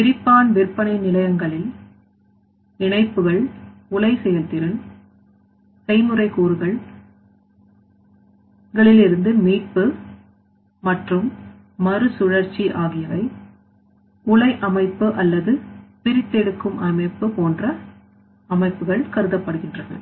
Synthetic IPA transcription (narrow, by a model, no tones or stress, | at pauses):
pɪɾɪpːaːnʋɪrpːɐnɐɪnɪlɐjɐŋɡɐɭɪl | ɪɳɐɪpːɯɣɐɭʊlɐɪsɛjɐlt̪ɪɾɯn | sɐɪmɯrɐɪkuːɾɯɣɐɭ | ɡɐɭɪlɪɾɯnd̪ɯmiːʈ̚pɯ | mɐʈrɯmː | ɐrɯsʊɻɐɾt͡ʃːiʔaːɣɪjɐʋɐɪ | kʊlɐɪʔɐmɐɪpːɯʔɐlːɐðɯpɪɾɪt̪ːɛɽɯkːɯmʔɐmɐɪpːɯpoːndrɐ | ɐmɐɪpːɯɣɐɭkɐɾɯðɐpːɐɽɯɣɪndrɐðɐ̰ɭ